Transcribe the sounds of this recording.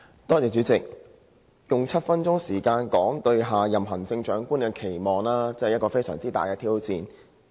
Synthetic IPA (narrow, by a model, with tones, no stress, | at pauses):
t̪ɔː˥t͡sɛː˨˧t͡ʃyː˨˥t͡sɪ˨k̚ | jʊ˨ŋt͡sʰɐ˥t̚fɐ˥nt͡sʊ˥ŋsiː˨˩kaː˧nkɔː˨˥ŋt̪ɵ˧ɥɦaː˨˩jɐ˨˩mɦɐ˨˩ŋt͡sɪ˧ŋt͡ʃœː˨˥ŋkuː˥nkɛ˧kʰe˨˩jmɔː˨˩ŋlaː˥t͡sɛ˥˨jɐ˥t̚kɔː˧fe˥jsœː˨˩ŋt͡siː˥t̪a̰ː˨jkɛː˧t̪ʰiː˥wt͡siː˨˧n